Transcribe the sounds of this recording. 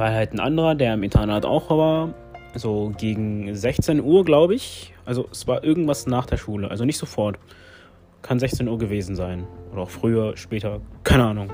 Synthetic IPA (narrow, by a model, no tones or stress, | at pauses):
vaɪlhaltn̩ʔa̰ndəʁɐdeːɐɪmɪntʰɐnaːta̰ʊxvaːɐ | zoːɡeːɡŋ̩zɛçt͡senʔuːɐɡlaʊbəɪçʔalzoɛsv̥aːɐʔɪɐɡŋ̩tv̥asnaːχd̥eːɐʃuːləʔa̰lzonɪçtz̥ofɔɐt | kʰanzɛçt͡senuːɐɡəveːzn̩zaɪnʔoːɾɐaʊxfʁ̥yːɐʃpɛːtʰɐkʰaɪnəʔaːnʊŋ